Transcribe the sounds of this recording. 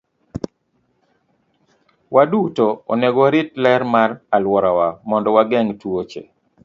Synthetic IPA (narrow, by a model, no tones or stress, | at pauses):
wadutoɔ̰nɛɡɔɾɪtlɛɾmaralwɔɾawamɔndɔwaɡɛŋtwot͡ʃḛ